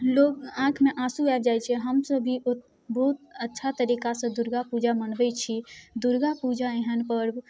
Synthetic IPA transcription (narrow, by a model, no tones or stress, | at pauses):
lokãkʰmeʔasuabd͡ʒajt͡ʃʰɛɦəmsəbʱiʔot̪ | bəɦut̪ətːʃʰat̪əɾikasə̃d̪uɾɡapud͡ʒamənbɛt͡ʃʰid̪uɾɡapud͡ʒaeɦənpəɾ